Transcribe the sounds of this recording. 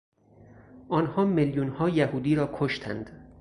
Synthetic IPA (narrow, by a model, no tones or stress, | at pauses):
ʔɒːnhɒːmeljunhɒːjæhuːd̪iːɾɒːkʰoʃt̪ʰæ̰nd̪̥